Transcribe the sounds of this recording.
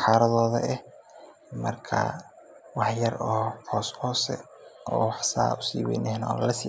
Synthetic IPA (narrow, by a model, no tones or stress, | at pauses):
ħɑːɾɐðɔːðɐ̰ʔɛh | mɐrkʰɐ̰ | wɑħjɐrɔːhɔːshɔːsɛ̰ | ʔɔːwħsa̰ːʊsiːwɛjnɛhnɔllɐsiː